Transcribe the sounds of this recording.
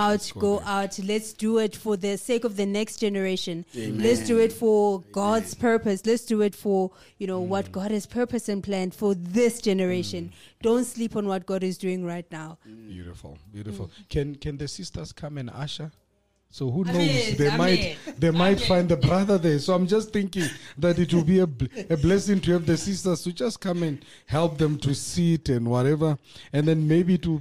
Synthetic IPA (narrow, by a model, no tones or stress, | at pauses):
aʊtɡoʔaʊtʰlɛtsd̥uɪtfɔðəsekɔvðənɛkstd͡ʒ̥ɛnəɹeʃɔ̃nlɛtsduɪtfɔɡɔdz̥pʰɛ˞pəslɛtsd̥uɪtfɔ | junowɔt̚ɡ̥ɔdɛz̥pʰɜ˞pəsɛ̃npʰlæ̃nd̥fɔðɪsd̥d͡ʒɛnəɹeʃɔ̃nd̥õntslipɔ̃nwɔt̚ɡ̥ɔɾɪzduɪ̃ŋɹaɪtnaʊbjṵɾifṵlˠbjuɾifṵlkʰɛ̃nkʰɛ̃nðəsistəskʰãmɛ̃na̰ʃa | sohunozðemajtðemajtfãjnd̪ðəbɹaðə˞ðɛsoãmd͡ʒastθɪ̃ŋkĩŋðatitwɪlbiɛɛblɛsĩŋtʰuhɛvðəsistəstud͡ʒaskʰãmɛ̃n | hɛlˠp̚ðɛ̃mtʰusitɛ̃ndwɔɾɛvəɛ̃nðɛ̃nmeɪbiːtwi